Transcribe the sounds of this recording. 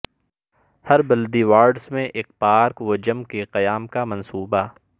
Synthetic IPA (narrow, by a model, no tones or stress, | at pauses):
hɐɾbɐld̪iʋaːɾɖsmẽʔeːk̚paːɾkwod͡ʒɐmkeqɐjaːmkamɐ̃nsuːba